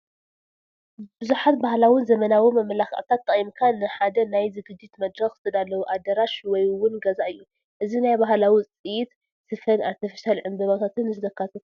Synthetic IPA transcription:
bɨzuħat̪̚bahlawɨnzɐmɐnawimɐmɐlaxɐ̰ʔt̪ʰat̪ːɐχʼjimkʰanɨħad̪ɐnajzɨɡɨd̪ːit̪mɐd̪ɾɐxɨ̥t̪ʰɨd̪alːɐwuʔad̪ɐɾaʃwɔjwʊnɡɐzaʔɨjːu | ʔɨzinajbaɦlawit͡sʼɨjit̪ | sɨfɐnat̪ʰɐfɐ̥ʃalʕɨmbɐβat̪ʰat̪ʰɨnɨzɨd̪ɐkʰːat̪ʰɐt̪

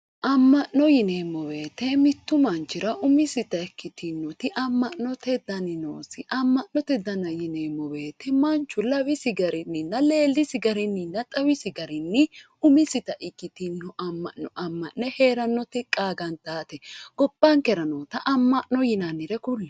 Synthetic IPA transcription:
ʔɐmːɐʔnːɔjɪnemːɔwe̞ːt̪ːɛmɪt̪ːʊmɐnt͡ʃːɪɾɐʔʊmɪsɪt̪ɐɛkːɪt̪ɪnːɔt̪ɪʔɐmːɐʔnːɔt̪ɛd̪ɐnɪno̰ːsɪʔɐmːɐʔnɔt̪ɛd̪ɐnɐjɪneːmːɔwe̞ːt̪ːɛmɐnt͡ʃːʊlɐwɪsɪɡɐɾɪnːɪnːɐle̞ːlːɪsɪɡɐɾɪnːɪnːɐt̪ʼɐwɪsɪɡɐɾɪnːɪ | ʊmɪsɪt̪ɐʔɪkːɪt̪ɪnːɔʔɐmːɐ̰ʔnɔʔɐmːɐʔnɛhe̞ːɾɐnːɔt̪ɪkʼaːɡɐnt̪aːt̪ɛɡ̥ɔb̥ːɐŋkɛɾɐnoːt̪ɐʔɐmːɐʔnɔjɪnɐnːɪɾɛkʊlː

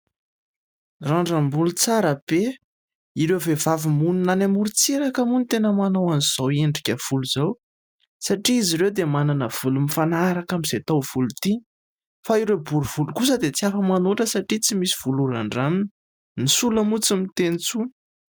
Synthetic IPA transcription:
raɳɖ͡ʐambulut͡saɾəbe | iɾewvevavimuninanamuɾit͡seɾakamunit̪enəmanowaniz̥oweɳɖ͡ʐikʲəv̥uluzaw | saʈ͡ʂiiziɾewd̪emananəv̥ulumifanaɾakamiz̥et̪owv̥ulut̪i | faiɾewbuɾuv̥ulukus̬əd̪et͡siafəmanuʈ͡ʂəsaʈ͡ʂit͡simisiv̥uluɾaɳɖ͡ʐaminə | nisuləmut͡simit̪enit͡sunə̥

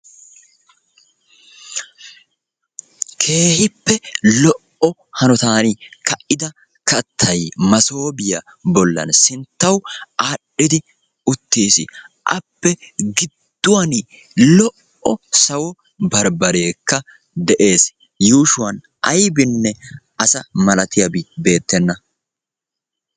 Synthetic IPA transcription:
kʰe̞ːhɪpːɛlɔʔɔhɐnɔt̪aːnikɐʔɪd̪ɐ | kɐt̪ʰːɐjmɐso̞ːbɪjɐ | bɔlːɐ̰nsɪnt̪ːɐwaːɗːɪd̪ɪ | ʊt̪ːiːsɪ̰ʔɐ̰pːɛɡɪd̪̥ːʊwɐn | lɔʔ | ɔsɐwɔ | bɐɾbɐɾeːkːɐ | d̪ɛʔe̞ːs | juːʃʊwɐn | ɐjbɪnːɛ | ɐsɐmɐlɐt̪ɪjɐbɪbe̞ːt̪ːɛnːɐ

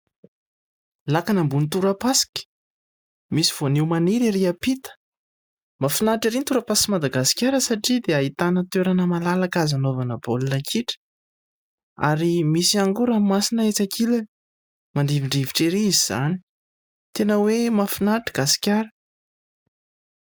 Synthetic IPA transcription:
lakanambunit̪uɾəpasi̥kʲə̥ | misiv̥onewmaniɾiɾiapit̪ə̥ | mafinaʈ͡ʂiɾint̪uɾəpaskimad̪aɡasi̥kʲjaɾəsaʈ͡ʂid̪eaɦit̪anət̪eɾanəmalalakazanovanəbolunəkʰiʈ͡ʂə̥ | a̰ɾimisiaŋɡuɾamimasinəet͡sakʰilani̥ | maɳɖ͡ʐiviɳɖ͡ʐiviʈ͡ʂeɾiiziz̥a̰ni̥ | t̪enəwemafinaʈ͡ʂi̥ɡ̥asi̥kʲjaɾə̥

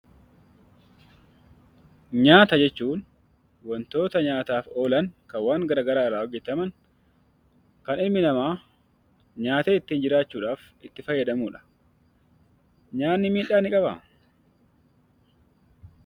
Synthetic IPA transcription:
ɲaːt̪ɐd͡ʒɛt͡ʃːuːn | wɔnt̪o̞ːt̪ɐɲaːt̪aːfo̞ːlɐŋkɐwaːŋɡɐɾaːɡɐɾaːɪraːɔɡɛt̪ɐmɐŋ | kɐnɪmːɪnɐmaː | ɲaːt̪eːɪt̪ːiːnd͡ʒɪɾaːt͡ʃːuːᶑaːf | ɪt̪ːɪfɐjːɐd̪ɐmuːᶑɐ̥ | ɲaːnːɪmiːᶑaːnɪkʼɐbɐ̰

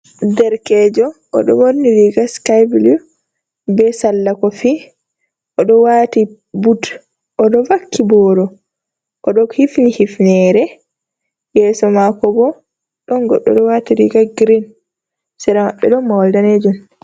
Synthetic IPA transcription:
dɛɾkɛːd͡ʒɔʔːɗɔwonːiɾiɡaskajblu | bɛsalːakɔfi | ʔɔɗɔwati | bud | ʔɔɗɔvakːibɔːɾɔ | ʔɔɗɔhifnihifnɛɾɛ | jɛsɔmakɔbɔ | ɗɔnɡɔ̰ɗːɔ̰ɗɔwatiɾiɡaɡɾin | sɛɾamaɓːɛɗɔnmːawaldaned͡ʒun

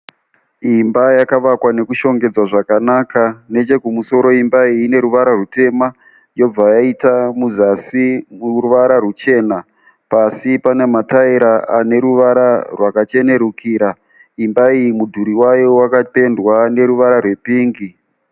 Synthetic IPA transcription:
imbajakaʋakwane̞kuʃo̞ŋɡe̞d͡zwaʐakanaːkane̞t͡ʃe̞kumuso̞ɾo̞imbaiːne̞ɾuʋaɾarute̞ma | jo̞b͡vajaitamuzasimuruʋaɾarut͡ʃe̞na | pasipane̞mataiɾaane̞ɾuʋaɾarwakat͡ʃe̞ne̞ɾukʰiːɾa | imbaijimudʱuɾiwajowakape̞ndwane̞ɾuʋaɾarwe̞piːŋɡi

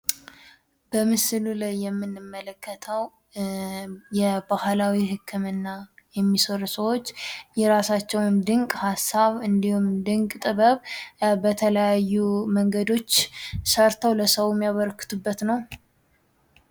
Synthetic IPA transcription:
bəmɨsɨlulajːɛmːɨnːɨmːələkʰːət̪ʰəw | jɛbahlawiɦɨkʰːɨmɨnːajɛmːisəɾusəwo̞t͡ʃːjɛɾasat͡ʃːɛwnd̪ɨŋkʼhasːaβɨnd̪ihumd̪ɨŋkʼt̪ʼɨβəβbət̪ʰələjajːuməŋɡəd̪o̞t͡ʃːsəɾt̪ʰəwləsəwmːijaβəɾkʰɨ̥t̪ʰubːət̪nəw

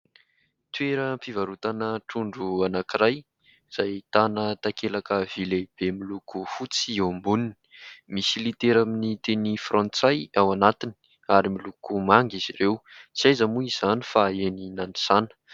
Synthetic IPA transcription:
t̪weɾəmpivaɾut̪anəʈ͡ʂuɳɖ͡ʐuanakiɾaj | z̥ajt̪anət̪akelakəv̥ileb̥emilukufut͡siambunini̥misilit̪eɾaminit̪enifrɔ̃nt͡sajawanat̪ini̥ | aɾimilukumaŋɡiz̥iɾewt͡siajzəmuiz̥anifaeninani̥sanə̥

